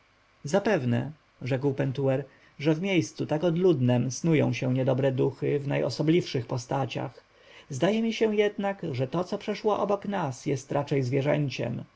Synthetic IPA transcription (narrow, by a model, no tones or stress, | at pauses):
zapɛvnɛ̰ | ʐɛkwpɛnt̪uɛɾ | ʐɛvmʲjejst̪sut̪akɔd̪lud̪nɛmsnujɔ̃w̃ɕɛ̃ɲɛd̪ɔbɾɛd̪uxɘvna̰jʔɔ̰sɔblʲifʂɘxpɔst̪at͡ɕa̰x | zd̪ajɛmʲiɕɛ̃jɛd̪nakʐɛt̪ɔt̪sɔpʂɛʂwɔʔɔbɔknasjɛst̪ɾʔat͡ʂɛjzvʲjɛʐɛ̰ɲt͡ɕɛ̰m